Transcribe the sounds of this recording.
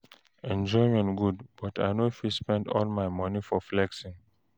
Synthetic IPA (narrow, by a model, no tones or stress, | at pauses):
ɛ̃nd͡ʒɔɪmɛ̃nɡudb̥ɔtʰa̰ɪnofispɛ̃ndɔ̰lmaɪmʌnifɔflɛksĩŋ